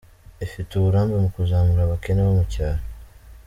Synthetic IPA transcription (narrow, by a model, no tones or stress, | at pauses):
efituβuɾaːmbemukuzaːmuɾaβakeneβomucaːɾo